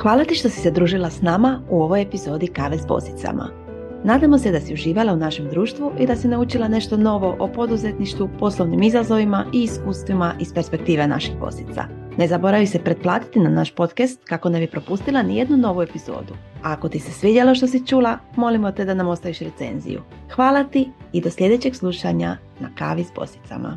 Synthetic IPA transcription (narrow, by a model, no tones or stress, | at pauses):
xʋaːlˠat̪iʃt̪o̞si̥sed̪ɾuːʒilˠasnaːmauo̞ʋojepizo̞ːd̪ikaʋesbo̰st̪i̥t̪sa̰ma̰ | naːd̪amo̞sed̪asiuʒiːʋalaunaʃemd̪ɾuːʃt̪ʋuʔid̪asinaut͡ʃilˠane̞ʃt̪o̞no̞ʋo̞ʔopo̞d̪uze̞t̪niʃt̪ʋupo̞slo̞ʋnimizazo̞ʋimaʔiːskuːst̪ʋimaʔispe̞ɾspe̞k̚t̪iːʋena̰ʃixbo̞̰si̥t̪sa̰ne̞zabo̞ɾaʋise̞pɾe̞d̪̚plˠaːt̪i̥t̪inanaʃpo̞t̪kast̪̚kako̞nebipɾo̞pust̪ilˠanije̞d̪nuno̞ʋue̞pizo̞̰ːd̪uaːko̞t̪ise̞sʋid̪ʲjelo̞ʃt̪o̞s̬it͡ʃuːlamo̞limo̞t̪ed̪anamo̞st̪aʋiʃɾe̞t̪se̞̰nzḭjṵ | xʋaːlat̪iːd̪o̞sʎʲe̞d̪e̞t͡ɕe̞ɡsluʃaɲa̰ | na̰ka̰ʋisbo̞̰st̪i̥t̪sa̰ma̰